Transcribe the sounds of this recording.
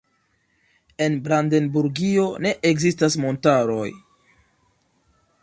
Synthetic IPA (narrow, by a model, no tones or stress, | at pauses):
e̞nbɾande̞nbuɾɡio̞ne̞ʔekzistasmo̞ntaɾo̞j